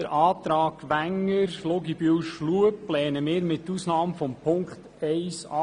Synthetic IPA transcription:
əɾʔɑːt̪ɾɑːkʋæŋːəɾfloɡibywʃluəpːlɛːnəmɪːɾmɪt̪ːuːsnɑːmfɔmpʰʊŋkχt | ɛɪsɑ

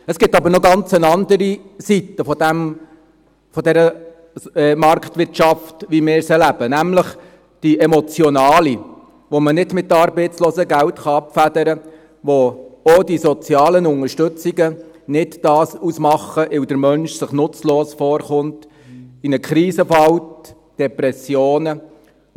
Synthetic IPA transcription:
əsɡ̥ɪtɑbəɾnɔɡɑnt͡sənɑndəɾisitəfɔdæm | fɔdɛɾə | ɛmɑɾktʋɪɾtʃɑftʋimɪːɾsɛɾlæb̥ənæmləχ | d̥iʔɛmɔt͡sjɔnɑːli | ʋomənɪdmɪtːɑɾbɛɪtt͡sloːzəɡæwtχɑɑpfædəɾə | ʋoodisɔt͡sjɑːlənʊŋəɾʃtɵt͡siɡə | nɪtd̥ɑːsusmɑχːəʔɪwdəɾmœnʃsɪχnʊt͡sloːsfɔːɾχʊnt | ɪnəkʰɾiːsəfɑwt | d̥ɛpɾɛsjoːnə

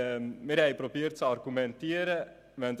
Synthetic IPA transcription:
meɾɛjpɾopiɾt̪saɾɡumɛnt̪iːɾɛ | mɛnt̪

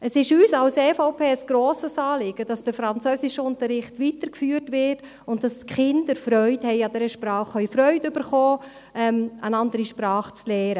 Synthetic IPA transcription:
əsɪʃyːsɑlsɛːfɔʊpʰeːəsɡ̥ɾoːsəsɑːlɪɡ̥əd̥ɑsd̥əɾfɾɑnt͡søːsɪʃʊntəɾɪχtʋitəɾkfyːɾtʋɪt | ʊnt̚d̥ɑsχɪndəɾfɾœʏthɛjɑdɛɾəʃpɾɑːχœʏfɾœʏtʏbəɾχoː | ʔɛmənɑndəɾiʃpɾɑːχt͡slɛːɾə

